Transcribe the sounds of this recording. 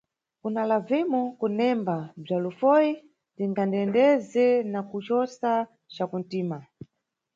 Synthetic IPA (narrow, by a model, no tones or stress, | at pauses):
kunalavɛmɔkunɛmbab͡ʐalufɔji | tiŋɡandɛndɛzɛnakut͡ʃɔsa | t͡ʃakun̩tiːma